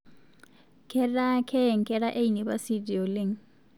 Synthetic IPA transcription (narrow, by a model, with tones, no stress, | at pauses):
kʰɛɾa˦kʰɛ˦˨ŋ̩˨kʰɛ˦ɺa˦ʔe˦ini˨ba˦si˦di˨ɔ˨le˦ŋ̩